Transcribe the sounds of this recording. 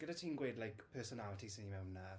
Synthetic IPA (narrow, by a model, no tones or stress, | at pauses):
ɡ̥ədatʰiːnɡweːdlajkpʰəːsɔnalətʰisɪnimɛwnːa